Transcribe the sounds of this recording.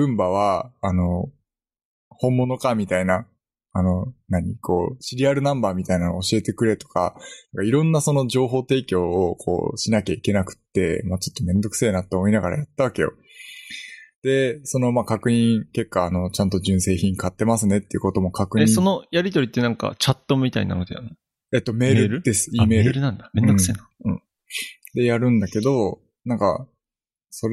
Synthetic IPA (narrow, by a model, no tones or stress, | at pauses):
bɯ̟̃mbaβ̞aːno̞ | hõ̞mːo̞no̞kamʲit̪ainaː | no̞naɲ̟ikʰo̞ːɕiɾʲiaɾɯ̟nãmbaːmʲit̪ainanooɕie̞t̪e̞kɯ̟ɾe̞t̪o̥ka̰nãŋkaiɾõ̞nːaso̞no̞d͡ʑo̞ːɦo̞ːt̪e̞ːkʲo̞ːkʰo̞̰ːɕinakʲaike̞nakɯ̟̥t̪ːe̞̰mat͡ɕo̞̥t̪ːo̞mẽ̞nd̪o̞kɯ̥se̞ːnat̪ːeːmo̞inaɡaɾa̰jat̪ːaβake̞jo̞̰ | d̪̥e̞so̞no̞maːkakɯ̟ɲ̟ĩke̞kːaːno̞t͡ɕãnt̪̬o̞ʑɨ̃ɰ̃se̞ːçĩŋkat̪ːe̞masɨne̞t̪ːeiɯ̟kot̪o̞mo̞kʰakɯ̟ɲeɲiso̞no̞jaɾʲit̪oɾʲit̪ːe̞nãŋka̰t͡ɕat̪ːo̞mʲit̪a̰ḭna̰nod̪eja̰no | et̪ːo̞me̞ːɾɯɾɯd̪̥esɨ̥iːme̞ːɾɯɾɯnãnd̪amend̪oɯseːnaɯ̃ | d̪e̞jaɾɯ̟̃nd̪ake̞d̪o̞ | nãŋka̰ | so̞ɾ